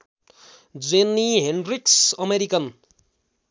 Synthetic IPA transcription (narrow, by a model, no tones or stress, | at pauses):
d͡zenːiɦenriksʌmeɾikʌn